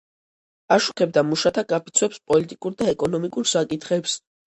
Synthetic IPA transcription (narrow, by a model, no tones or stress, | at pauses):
aʃu̥kʰɛb̚d̪amuʃat̪ʰaɡʼapʰit̪sʰwɛpspʼɔlit̪ʼikʼuɾd̪aɛkʼɔnɔmikʼuɾsakʼit̪ʰχɛps